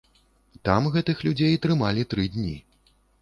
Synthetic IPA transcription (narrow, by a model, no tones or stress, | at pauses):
t̪amɣɛt̪ɨxlʲud͡zʲejt̪ɾɨmalʲit̪ɾɨd̪ʲnʲi